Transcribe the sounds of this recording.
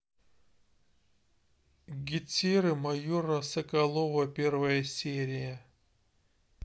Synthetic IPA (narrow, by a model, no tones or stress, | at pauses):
ɡʲɪtʲiɾɨmɐjoɾəsəkɐlˠovəpʲervəjəsʲeɾʲɪjə